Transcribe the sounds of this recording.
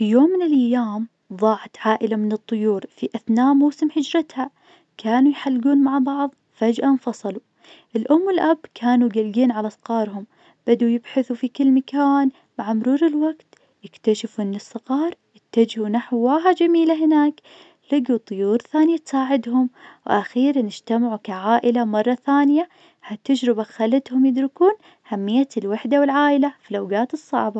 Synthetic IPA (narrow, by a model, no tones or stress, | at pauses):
fijoːmːɪnɪlʔajːaːm | ðˤɑːʕat̪ʕaːʔɪlamɪnɨt̪ˤːʊjuːɾfiʔaθnaːʔmuːsɪmħɪd͡ʒɾɪt̪ha | kʰaːnujħalːɡuːnmaʕbɑʕðˤ | fad͡ʒʔanfɑsˤɑlu | ʔɪlʔʊmːɪlʔabkʰaːnuɡalɡiːnʕalasqɑːɾˤɦʊm | b̥ad̪ujɪbħaθufikɪlːmakaːn | maʕamʊɾuːɾɪlwaɡt̪ | jɪkt̪aʃɪfʔɪnːɨsˤːɨɣɑːɾˤjɪt̪ːad͡ʒhunaħwwaːɦad͡ʒamiːlaɦɪnaːk | lɪɡut̪ˤːʊjuːɾθaːnjat̪saːʕɪd̪ɦʊmwʔaxiːɾnɪd͡ʒt̪amʕukaʕaːʔɪlamɑrˤːɑθaːnɪja | hat̪ːad͡ʒɾɪbaxalat̪hʊmjɪd̪ɾɪkuːn | hamːɪjːalwaħd̪awɪlʕaːʔɪlafilawɡaːt̪ɨsˤːɑ̰ʕbɑ